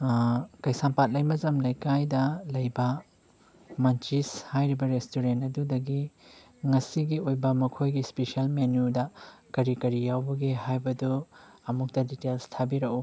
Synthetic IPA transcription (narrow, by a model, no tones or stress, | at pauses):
kɐjsampat̚lɐjmɐzɐmlɐjkajdɐlɐjbɐ | mɐnt͡ʃishajɾibɐɾestuɾentɐdudɐɡi | ŋɐsiɡiojbɐmɐkʰojɡispesiɐlmenudɐkɐɾikɐɾijawbɐɡehajbɐduɐmuk̚tɐditelstʰabiɾɐku